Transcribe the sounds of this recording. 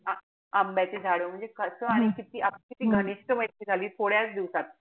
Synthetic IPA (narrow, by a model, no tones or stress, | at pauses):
a | ambjat͡sed͡zʱaɭəːm̤əɳd͡zekəsəaɽ̃ikit̪iːʔapkit̪iːɡʱəɽ̃iɕʈəmət̪iːd͡zʱaliːt̪ʰoɽjat͡sd̪iʋsat̪̚